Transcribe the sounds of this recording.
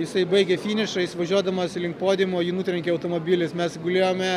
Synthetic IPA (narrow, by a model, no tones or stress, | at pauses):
jɪsɐɪbɐɪɡʲɛfʲiːnʲɪʃɐjɪsʋɐʒʲuɔd̪ɐmɐːsɪlʲɪŋkpoːd̪ʲɪmoːjiːnuːt̪ʲɾʲɛŋʲkʲɛɐʊt̪oːmoːbʲiːlʲɪsmʲɛsɡʊlʲeːjoːmʲɛ